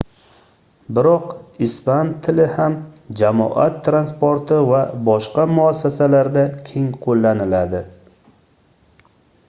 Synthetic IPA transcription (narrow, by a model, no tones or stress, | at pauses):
bɪɾɒqɪspant̪ʰːɪlɪhamd͡ʒamɒ̰ʔa̰t̪ʰːɾanspoɾt̪ʰɪvabɒʃqɑmʊasːasalaɾd̪akʲʰe̞ŋqʰolːanɪlad̪ɪ